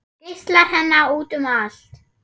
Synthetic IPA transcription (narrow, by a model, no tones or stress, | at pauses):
ɪst̪laɾɦɛnːauːt̪ʏmal̥t̪